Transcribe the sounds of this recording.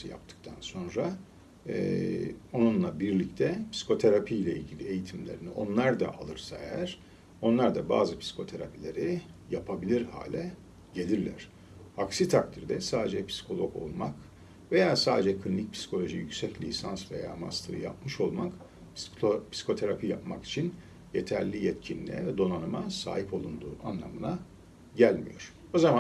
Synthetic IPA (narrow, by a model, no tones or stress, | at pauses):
ɯja̰p̚t̪ʰɯ̥k̚t̪ʰanso̞nɾa | o̞nunlˠabiɾlʲict̪ʰɛpʰsi̥kʰo̞t̪ʰe̞ɾapʰijlʲɛḭlʲɟilʲie̞jit̪ʰimlʲe̞̰ɾiniʔo̞̰nlˠaɾd̪a̰ʔalˠɯɾsaejæɾ̥ | o̞nlˠaɾd̪aba̰ːzɯpʰsi̥kʰo̞t̪ʰe̞ɾa̰pilʲe̞ɾijapʰabilʲiɾha̰ːlʲɛ | ɟe̞lʲiɾlʲæ̰ɾ̝̥ | aksit̪ʰak̚t̪ʰiɾd̪ɛsaːd̪e̞d͡ʒɛpʰsi̥kʰo̞lˠo̞ko̞̰lˠmak | ve̞jaːsaːd̪ed͡ʒɛkʰlʲinːʲic̚pʰsi̥kʰo̞lʲo̞ʒijycsɛclʲḭsansve̞jaːma̰st̪ʰɯɾɯ̰jap̚mɯʃo̞lˠmak | ppʰsi̥kʰo̞t̪ʰe̞ɾapʰija̰pma̰ki̥t͡ʃʰin | jet̪ʰæɾlʲijɛt̪cʰinlʲiɛvɛd̪o̞nanɯmasa̰ːɦipo̞lˠund̪uːʔanlˠa̰mɯna | ɟælʲmḭjo̞̰ɾ̥ | ozama